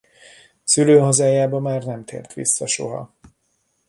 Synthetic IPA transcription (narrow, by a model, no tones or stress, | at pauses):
syløːɦozaːjaːbɒmaːrnɛmt̪ʰḛːrt̪ʋḭsːɒʃo̞̰ɦɒ̰